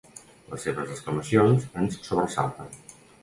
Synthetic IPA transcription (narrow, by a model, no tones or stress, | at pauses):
ləsːeβəzəskləməsionzənssoβɾəsa̰lˠt̪ən